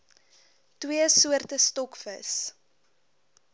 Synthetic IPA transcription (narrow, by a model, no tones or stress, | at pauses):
twiəsuərtəstɔkfə̰s